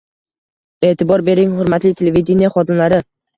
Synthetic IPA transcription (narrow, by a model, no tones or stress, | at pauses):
e̞ːt̪ʰɪbɒɾbe̞ɾɪŋhʊɾmat̪lɪt̪ʰelevʲed̪ʲenijaχɒd̪ɪmlaɾɪ